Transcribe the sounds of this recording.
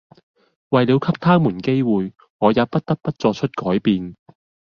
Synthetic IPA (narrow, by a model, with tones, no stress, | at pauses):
wɐ˨jliː˨˧wkʰɐ˥p̚t̪ʰaː˥muː˨˩nke˥jwuː˨j | ŋɔː˨˧jaː˨˧pɐ˥t̚t̪ɐ˥t̚pɐ˥t̚t͡sɔː˧t͡ʃʰɵ˥t̚kɔː˨˥jpiː˨n